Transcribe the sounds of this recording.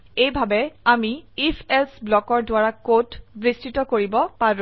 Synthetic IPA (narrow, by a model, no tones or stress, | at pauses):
ejbʱabɛamiipʰelsblɔkɔɹdʊaɹakotbɹistitɔkoɹibɔpaɹũ